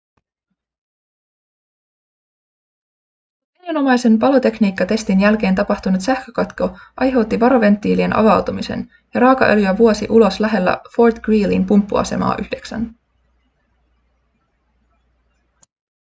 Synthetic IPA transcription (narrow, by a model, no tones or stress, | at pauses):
enino̞mɑjse̞npɑlo̞t̪e̞kniːkːɑt̪e̞st̪injælk̟e̞ːnt̪ɑpɑht̪unut̪sæhkøkɑt̪ko̞ʔɑjɦe̞wt̪ːiʋɑɾo̞ʋe̞nt̪ːiːlie̞nʔɑ̰ʋɑwt̪umise̞̰n | jɑɾɑːkɑ̰ʔø̞̰ljyæʋuo̞siʔulo̞slæɦe̞lːæ̰fo̞rt̪ɡ̥ɹiːlḭnpumpːuɑ̰se̞̰mɑ̰ːʔyhde̞ksæ̰n